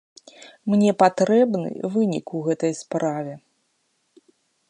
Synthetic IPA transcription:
mnʲɛpat̪ɾɛbnɨ̰vɨnʲḭkuɣɛt̪ɐjspɾavʲɛ

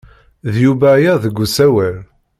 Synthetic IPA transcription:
ðjubæjæðəɡʷːusæwæl

